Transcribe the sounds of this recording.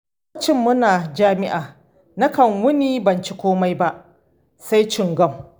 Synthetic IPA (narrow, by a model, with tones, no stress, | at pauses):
t͡ʃɪ˦mːʊ˦naː˨d͡ʒaː˦mɪ˦ʔaː˨ | na˦kɐ˨ŋwʊ˦niː˦bɐ˨nt͡ʃi˦kʷoː˦ma˦jba˦ʔ | sa˦jt͡ʃɪ˦˨ŋɡɔ˦˨m